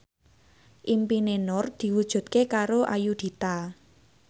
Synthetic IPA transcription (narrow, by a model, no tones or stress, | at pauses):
ʔimpinenɔrd̪̥i̤wud̥ʒ̥ṳd̪̥̚kekaɾoʔajud̪̥i̤t̪a